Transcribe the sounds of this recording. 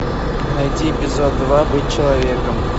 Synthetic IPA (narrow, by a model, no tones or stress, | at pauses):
nɐjdʲiːpʲɪzod̪vabɨt̚ʲt͡ɕɪlˠavʲekəm